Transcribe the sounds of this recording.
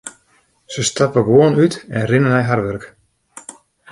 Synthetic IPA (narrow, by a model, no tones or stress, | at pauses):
səst̪apəɡoənytɛnrɪnənɛjɦaɾʋɛrk